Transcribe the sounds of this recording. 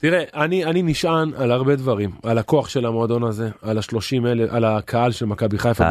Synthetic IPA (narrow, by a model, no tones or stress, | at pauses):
t̪iʁeʔanianiniʃʔanalaʁbe̞d̪vaʁimalako̞aχʃe̞lamo̞ad̪o̞naze̞alaʃlo̞ʃimeleʔalakʰaalʃelmakabiχajfa